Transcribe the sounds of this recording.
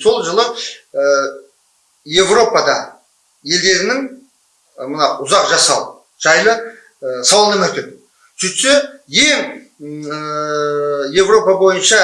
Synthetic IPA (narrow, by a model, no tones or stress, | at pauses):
so̞lˠʒəlˠəə | je̞vro̞pɑd̪ɑ | je̞ld̪e̞ɾɪnɪŋ | mənɑʊzɑqʒɑsɑw | ʒ̥ɑjlˠə | sɑw̪ˠənəmɵt̪en | sʏt̪seje̞ŋ | je̞vro̞pɑbo̞jənʃɑ